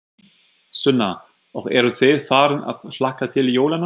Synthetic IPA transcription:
sʏnːa | ɔɣɛɾʏθɪðfaːɾɪna̰ðflahkat̪ʰɪljoːwlana

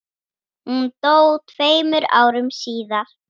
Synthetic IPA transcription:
hunt̪oːwt̪ʰveːjmʏɾa̰ːwɾʏmsiːðaɾ̥

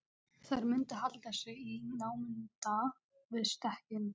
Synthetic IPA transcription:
θaɾmʏnt̪ɪɦalt̪asɛɣinaːwmɪnt̪a | vɪðst̪ɛhcɪm

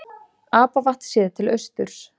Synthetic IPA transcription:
aːpavaht̪sɛːðɪt̪ʰɪlœɥst̪ʏɾ̥s

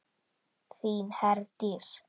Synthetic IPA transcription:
θiːnhɛrd̥ɪr

